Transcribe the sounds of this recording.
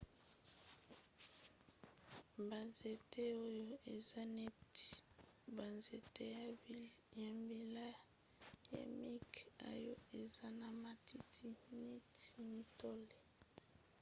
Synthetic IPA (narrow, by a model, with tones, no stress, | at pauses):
ba˨nze˨te˦o˦jo˦e˨za˦ne˦˨ | ba˨nze˨te˦ | ja˨mbi˨la˦ | ja̰˨mi˦ka̰˨jo˦e˨za˦na˨ma˨tʰi˦tʰi˦ne˦ti˨mi˨to˦le˨